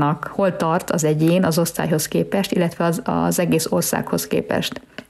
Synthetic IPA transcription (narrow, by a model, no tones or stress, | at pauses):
nɒkho̞lt̪ɒrt̪ɒzɛɟeːnɒzo̞st̪a̰ːjɦo̞skeːpɛʃt̪ilːɛt̪ʋɛɒɒ̰zɛɡeːso̞rsa̰ːkho̞skḛːpɛ̰ʃt̪